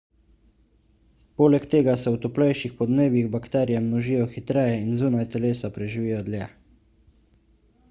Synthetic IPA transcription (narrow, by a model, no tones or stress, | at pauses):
poːlɛkt̪eːɡasɛwt̪ɔplɛjʃixpɔd̪neːbjiɣbakt̪ɛːɾijamnɔʒiːjɔxit̪ɾɛːjɛinzuːnajt̪ɛleːsapɾɛʒiʋiːjɔd̪ljɛ